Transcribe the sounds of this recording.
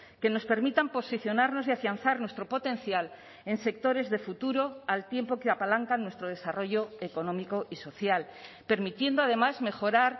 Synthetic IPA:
ke̞no̞spe̞ɾmit̪ampo̞siθjo̞naɾno̞siafjan̟θaɾnwe̞st̪ɾo̞po̞t̪ẽ̞n̟θjal | e̞nse̞k̚t̪o̞ɾe̞zðe̞fut̪uɾo̞alt̪je̞mpo̞keapalaŋkanːwe̞st̪ɾo̞ð̞e̞saro̞ʝo̞eko̞nõ̞miko̞ʔiso̞θjal | pe̞ɾmit̪je̞nd̪oaðe̞mazme̞xo̞ɾaɾ

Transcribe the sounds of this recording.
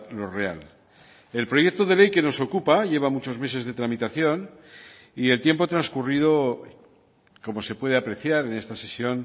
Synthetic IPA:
lo̞re̞a̰l | e̞lpɾo̞je̞k̚t̪oðe̞le̞jke̞no̞so̞kupaʝe̞β̞amut͡ʃo̞zme̞se̞zðe̞t̪ɾamit̪aθjo̞n | ie̞lt̪je̞mpo̞t̪ɾanskurið̞o̞ | ko̞mo̞se̞pwe̞ðe̞apɾe̞θjaɾe̞ne̞st̪ase̞sjo̞n

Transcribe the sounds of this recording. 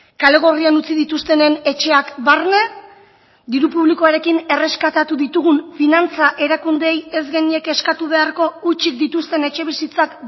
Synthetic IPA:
kale̞ɣ̞o̞rianut͡siðit̪ust̪e̞ne̞ne̞t͡ʃe̞akbarne̞ | d̪iɾupuβliko̞aɾe̞kine̞re̞skat̪at̪uðit̪uɣuɱfinant͡saʔe̞ɾakund̪e̞je̞zɣe̞nie̞ke̞skat̪uβ̞e̞aɾko̞ut͡ʃik̚d̪it̪ust̪e̞ne̞t͡ʃe̞βisit͡sak

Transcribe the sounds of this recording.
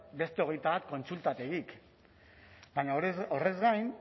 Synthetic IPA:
be̞st̪e̞o̞ɣ̞e̞jt̪aβat̪̚ko̞nsult̪at̪e̞ɣik | bajɲaɾo̞re̞zɡajn

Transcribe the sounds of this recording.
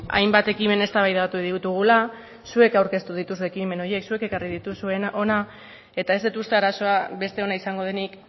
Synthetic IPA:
a̰jmbat̪e̞kime̞ne̞st̪aβajðat̪uðit̪uɣ̞ula | sue̞kawɾke̞st̪uðit̪usue̞kime̞no̞ɾje̞ksue̞ke̞kariðit̪usue̞naʔo̞na | e̞t̪ae̞zd̪et̪ust̪eaɾaso̞aβe̞st̪e̞o̞naisaŋɡo̞ð̞e̞nik

